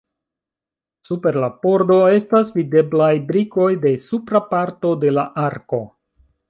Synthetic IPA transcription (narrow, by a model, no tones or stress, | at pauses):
supe̞ɾlapo̞ɾdo̞e̞stasvide̞blajbɾiko̞jde̞supɾapaɾto̞de̞laʔaɾko̞